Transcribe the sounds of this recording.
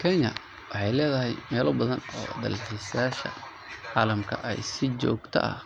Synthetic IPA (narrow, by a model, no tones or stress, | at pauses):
kʰɛɲɐ | wɑħɑjlɛːðɐɦɛjmɛːlɔbɐðɐnɔ̰ːd̪ɐ̰lħɛsjaːʃɐ̰ | ʕɑːlɐmkʰɐʔɛ̰jsɪt͡ʃɔːɡt̪ʰɐ̰ʔɐ̰h